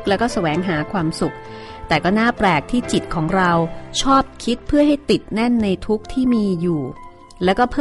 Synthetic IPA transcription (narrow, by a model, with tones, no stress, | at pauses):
k̚lɛː˦˥kɔː˥˩sa˧wɛː˩˦ŋɦaː˩˦kʰwaː˧msu˨˩k̚ | t̪ɛː˨˩kɔː˥˩naː˥˩pɾɛː˨˩k̚t̪ʰiː˥˩t͡ɕi˨˩t̪̚kʰɔː˩˦ŋɾa˧wt͡ɕʰɔː˥˩p̚kʰi˦˥t̪̚pʰɯ˥˩ɐɦa˥˩jt̪i˨˩t̪̚nɛ˥˩nːa˧jt̪ʰu˦˥k̚t̪ʰiː˥˩miː˧juː˨˩ | lɛː˦˥wkɔː˥˩pʰɤː˥˩